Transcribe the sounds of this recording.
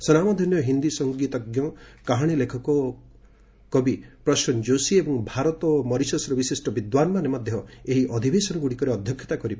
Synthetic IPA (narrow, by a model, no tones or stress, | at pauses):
sɔnamɔd̪ʱɔnjɔɦind̪isɔŋɡit̪ɔɡjɔkaɦaɽ̃ilekʰɔkɔ | kɔbipɾɔʃɔnd͡ʒosiebɔŋbʱaɾɔt̪ɔmɔɾisɔsɾɔbisisʈɔbid̪wanmaɾemɔd̪ʱjɔeɦiʔɔd̪ʱibesɔnɔɡuɽikɔɾeɔd̪ʱjɔkʰjɔ̥t̪akɔɾip